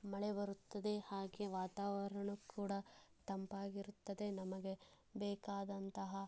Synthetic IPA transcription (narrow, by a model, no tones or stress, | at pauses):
mɐɭebɐɾut̪ːɐd̪e̞haːɡeʋaːt̪aːʋɐɾɐɳukʰuːɽɐt̪ɐmpaːɡiɾut̪ːɐd̪e̞nɐmɐɡe̞ | bɛːkaːd̪ɐnt̪ɐɦɐ